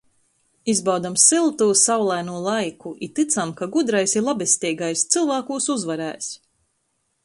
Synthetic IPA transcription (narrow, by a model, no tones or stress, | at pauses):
izbawd̪amsilˠt̪uːsawlˠajnuɔlˠajkuʔit̪it̪samkaɡud̪ɾajsiɾlˠabɛst̪ʲiːɡajst̪sɨlˠvaːkuːsuzvaɾæ̰ːs